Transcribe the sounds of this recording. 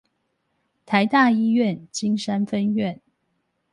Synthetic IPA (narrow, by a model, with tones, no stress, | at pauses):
t̪ʰa˨˦ɪt̪a˥˨i˦ɥɛ˥˨nt͡ɕi˦ŋsa˦nfə˦nɥɛ˥˨n